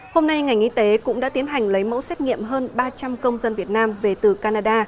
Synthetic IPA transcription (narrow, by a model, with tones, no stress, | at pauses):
ho˧mna˧jŋa˨˩jŋ̟ʔi˧t̪e˨˦kʊ̰˧˥ŋ͡mɗa̰ː˧˥t̪i˨˦ənɦa˨˩jŋ̟lə˨˦jmo̰˧˥sɛ˦˥t̚ŋḭ˧˨əmɦəː˧nɓaː˧t͡ɕa˧mkə˧wŋ͡mzə˧nvi˨˩ət̚naː˧mve˨˩t̪ɨ˨˩kaː˧naː˧ɗaː˧